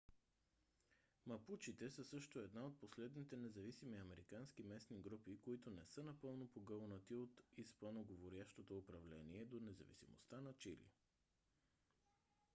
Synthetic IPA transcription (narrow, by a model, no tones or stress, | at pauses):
mɐput͡ʃit̪ɛsəsɤʃt̪oɛd̪naot̪̚poslɛd̪nit̪ɛnɛzɐvisimiɐmɛɾikanskimɛsniɡɾupikoit̪ʊnɛsɤnɐpɤlˠnopoɡɤlˠnət̪iot̪ispɐnoɡovoɾjaʃt̪ot̪oːpɾɐvlɛniɛd̪onɛzɐ̰vḭsḭmo̰st̪anɐt͡ʃḭlḭ